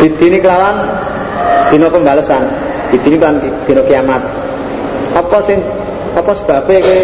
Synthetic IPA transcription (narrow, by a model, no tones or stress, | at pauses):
d̪̥i̤d̪̥i̤nikəlawan | d̪̥i̤nopəmbaləsan | d̪̥i̤d̪̥i̤niklank | d̪̥i̤nokiamat̪̚ | ɔpɔsɪŋ | ɔpɔsə̥b̥a̤b̥e̤ke